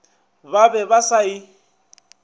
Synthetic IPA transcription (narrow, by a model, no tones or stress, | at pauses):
babɛβasai